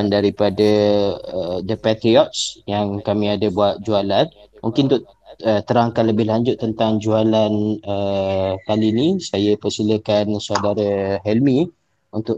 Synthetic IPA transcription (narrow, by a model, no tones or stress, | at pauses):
ndaɾipadəəd̪əpat̪ɾiɔt̪̚sjaŋkamĩadəbuat̪̚d͡ʒualan | muŋkɪnt̪ʊʔ | ət̪əɾaŋkanləbɪɦlaɲd͡ʒʊt̪ːənt̪aŋd͡ʒualanək̪alinĩsajəpərsiləkansadaɾəɦɛlmĩ | unt̪ʊʔ